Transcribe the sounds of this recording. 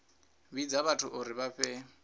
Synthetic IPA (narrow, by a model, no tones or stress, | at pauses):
βid͡zaβatʰuʔuɾiβaɸɛ